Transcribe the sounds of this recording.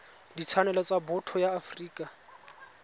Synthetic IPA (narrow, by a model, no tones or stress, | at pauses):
dit͡sʰanɛlat͡sabʊtʰɔjaːfriːkʼa